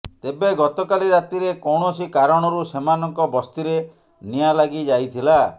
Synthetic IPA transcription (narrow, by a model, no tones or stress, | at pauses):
t̪ebeɡɔt̪ɔkaliɾat̪iɾekɔwɳ̃ɔsikaɾɔɽ̃ɔɾusemanɔŋkɔbɔst̪iɾe | nijalaɡid͡ʒajt̪ʰila